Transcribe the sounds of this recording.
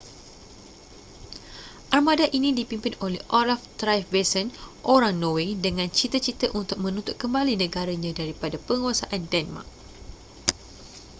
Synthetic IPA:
ʔarmadaʔinĩdipimpinolɛ̰hʔolaft̪ɾajfvesənʔoɾaŋnowedəŋãnt͡ʃit̪ət͡ʃit̪əʔunt̪ʊk̚mə̃nũnt̪ʊt̪̚kəmbalinə̃ɡaɾaɲãdaɾipadapəŋuasaʔandɛnma̰k̚

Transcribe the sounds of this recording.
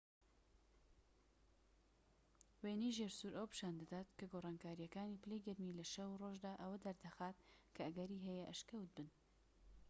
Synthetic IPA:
wenijʒeɾsuɾʔəwpɨ̥ʃaːnd̪ad̪aːt̪kɐɡoːrˤɑːnkaːɾijɐkaːnipɨlejɡɐɾmiːlɐʃɐwroʒd̪aːʔɐwɐd̪ɐɾd̪ɐxaːt̪̚kʰɐɐɡɐɾiːɦɛjɛʔɐʃkɐwt̪̚bɨn

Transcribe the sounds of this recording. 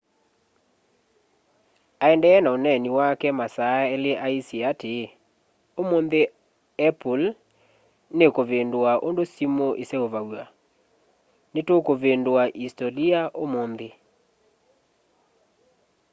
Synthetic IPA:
aɛndɛɛnaonɛniwakɛmasaeleʔaisiate | omonðe | ɛpul | nekoβendwaʔondosimoʔesɛoβawa | netokoβendwaʔistoliaʔomonðe

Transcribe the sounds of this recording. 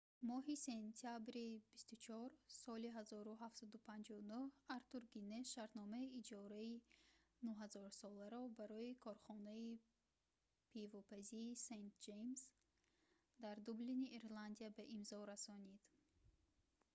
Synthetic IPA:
mɔɦise̞nt̪ʰijabɾibist̪ut͡ʃʰɔɾsɔliɦazɔɾuɦafsad̪upʰãnd͡ʒɔunuhaɾt̪uɾɡineʃaɾt̪nɔmaiːd͡ʒɔɾainuɦazɔɾsɔlaɾɔbaɾɔikʰɔɾχɔnai | pʰivɔpʰaziːsejnt̪̚d͡ʒejms | d̪aɾd̪ubliniʔiɾland̪iabaʔimzɔɾasɔnid̪̥

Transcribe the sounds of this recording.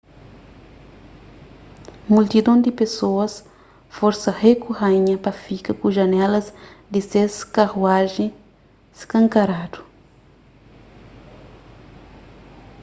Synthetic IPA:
mult̪id̪õnd̪ipesoɐs | foɾsɐhekuhãɲɐpɐfikɐkuʒɐnɛlɐzd̪iseskahwaʒẽ | si̥kɐ̃ŋkaɾad̪u̥

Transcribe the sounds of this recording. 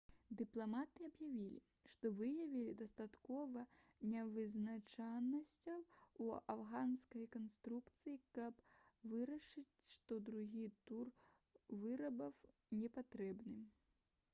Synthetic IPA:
d̪ɨplˠamat̪ɨɐbjavʲilʲḭ | ʂt̪ɔvɨjɐvʲilʲid̪ɐst̪at̪kɔvɐnʲɛvɨznat͡ʂanːɐsʲt͡sʲɐwuawɣanskɐjkɐnst̪ɾukt̪sɨjikɐpvɨɾɐʂɨt͡sʲʂt̪ɔd̪ɾuɣʲit̪ur | vɨɾɐbɐw | nʲɛpat̪ɾɛbnɨm

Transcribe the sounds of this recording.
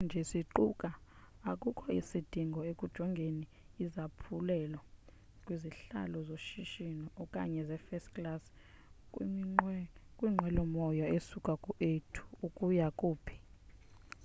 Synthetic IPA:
nd͡ʒʱɛsiǃukʼaakʼukʰɔisid̥ʱiŋɡʱɔekʼud̥ʒ̥ʱɔŋɡʱeniː | zapʰulɛla | kʼwiziɬa̰lɔzoʃiʃinɔːkʼa̰ɲɛzɛfɛstkʼlas | kʼwiːŋ͡ǃʱwɛlɔmɔjɔesukʼakʼuʔetʰu̥ukʼujakʼuːpʰi̥

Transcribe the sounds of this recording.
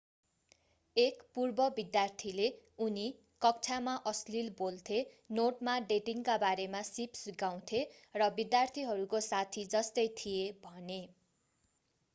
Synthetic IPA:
ekpurbʌbid̪jart̪ʰileuni | kʌk̚t͡sʰamaʔʌslilbolt̪ʰe | noʈmaɖeʈiŋkabaɾemasipsiɡaw̃t̪ʰerʌbid̪jart̪ʰiɦʌɾukosat̪ʰid͡zʌst̪ʌjt̪ʰijebʱʌne

